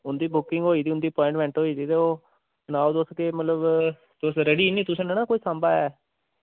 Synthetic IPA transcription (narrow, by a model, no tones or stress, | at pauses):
ʊnd̪iːbʊkɪŋɡɦoːiːd̪iːʊnd̪iːpɔ̃ːɪ̃ɳʈmɛ̃ːɳʈɦoːiːd̪iːt̪eoː | t͡ʃənaːod̪oːskemət̪ləb | d̪̥osɾɛɖiːnĩːt̪ʊsẽːnenaːkoːiːsambaːɛː